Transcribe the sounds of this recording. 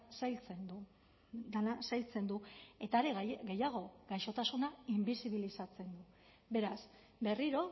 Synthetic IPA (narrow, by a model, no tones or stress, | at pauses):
sajlt͡send̪u | d̪anasajlt͡se̞nd̪ue̞t̪aːɾe̞ɣɣe̞jaɣ̞o̞ɡajʃo̞t̪asunaimbisiβ̞ilisat͡se̞nd̪u | be̞ɾas | be̞riɾo̞